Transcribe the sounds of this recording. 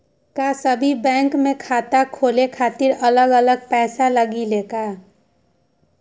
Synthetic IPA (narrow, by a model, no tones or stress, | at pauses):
kasəbʱibɛŋkmekʰat̪akʰolekʰat̪iɾələɡələɡ̚pɛsaləɡileka